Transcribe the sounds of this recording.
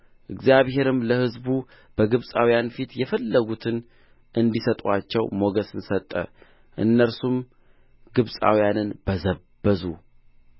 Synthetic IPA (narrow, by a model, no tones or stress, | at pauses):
ʔɨɡzjaβhe̞ɾɨmləhɨzbu | b̥əɡɨβsʼawijanfit̪jɛfəlːəɡut̪ʰɨn | ʔɨnd̪isət̪ʼat͡ʃːɛwmo̞ɡəsɨnsət̪ʼːə̰ | ʔɨ̰nːəɾsum | ɡ̥ɨβsʼa̰wjanɨnb̥əzəbːəzu